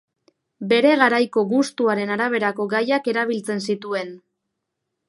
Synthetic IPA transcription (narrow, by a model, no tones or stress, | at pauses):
be̞ɾe̞ɣaɾajko̞ɣust̪uaɾe̞naɾaβ̞e̞ɾako̞ɣajake̞ɾaβ̞ilt͡se̞nsit̪ue̞n